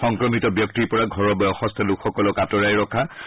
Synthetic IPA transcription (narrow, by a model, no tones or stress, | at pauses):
xɔŋkɹɔmitɔbjɔk̚tiɹpɔɹaɡʱɔɹɔbɔjɔxɔst̪ʰalukʰxɔkɔlɔkatɔɹajɹɔkʰa